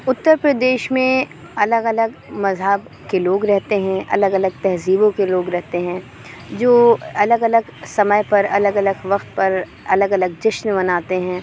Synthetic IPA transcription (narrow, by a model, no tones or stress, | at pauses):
ʊt̪ːəɾpɾəd̪eːʃmẽ | ɐləɡɐləɡmɐzɦəb | keloːɡɾɛɦt̪eɦɛ̃ʔɐ̰ləɡɐləɡ̚t̪ɛɦziːbõkeloːɡɾɛɦt̪eɦɛ̃ː | d͡ʒoːɐləɡɐləɡsɐməjpɐɾɐləɡɐləɡʋɐqt̪̚pɐɾ | ɐləɡɐləɡ̚d͡ʒɪʃnbɐnaːt̪eɦɛ̃ː